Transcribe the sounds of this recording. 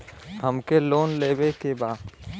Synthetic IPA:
ɦəmkeloːnleːbekebaːd̪

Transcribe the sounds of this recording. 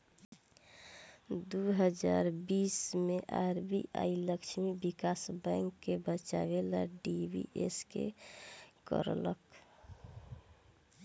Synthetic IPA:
d̪uɦəd͡ʒaɾbismeʔaɾbiʔa̰iləkt͡ʃʰmibikasbəŋkːebət͡ʃa̰belaɖibḭʔeskḛ | kə̰ɾlək

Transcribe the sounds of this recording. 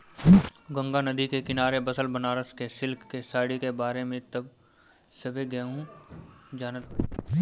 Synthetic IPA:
ɡə̃ŋɡanɐd̪ikekɪnaːɾebɐsəlbənaːɾəskesɪlkʰkesaːɽikebaːɾemẽt̪ɐb | sɐbʱeɡɛːɦũ | d͡ʒaːnət̪̚

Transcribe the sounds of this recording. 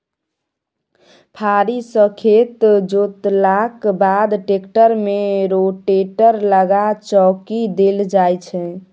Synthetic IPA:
pʰaɾisəkʰet̪d͡ʒot̪lakbad̪ʈekʈəɾmeɾoʈeʈəɾləɡat͡ʃɔkid̪eld͡ʒajt͡ʃʰɛ

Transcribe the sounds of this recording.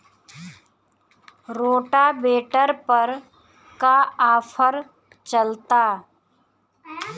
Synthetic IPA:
ɾoːʈabeːʈəɾpəɾ | kaaːfʰəɾ | t͡ʃəlt̪aː

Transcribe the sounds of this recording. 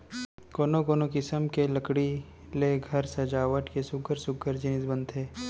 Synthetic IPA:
koːnokoːnokɪsəmkeləkɽi | leɡʱɐɾsɐd͡ʒaːʋəʈkesʊɡəɾsʊɡəɾd͡ʒɪnɪsbə̃nd̪ɦeː

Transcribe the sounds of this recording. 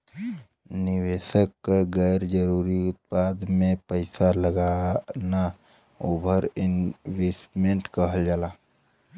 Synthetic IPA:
nɪweːʃəkːɡəɾd͡ʒəɾuːɾiʊt̪̚paːd̪mẽpəɪsaləɡana | ʊbʱəɾɪnwesʈmẽɳʈkəɦəld͡ʒaːlaː

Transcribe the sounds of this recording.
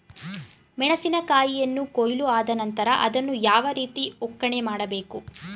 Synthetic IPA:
mɛɳɐsinɐkaːjijɐnːukojluaːd̪ɐnɐnt̪ɐɾɐʔɐd̪ɐnːujaːʋɐɾiːt̪iɔkːɐɳemaːɽɐbe̞ːku

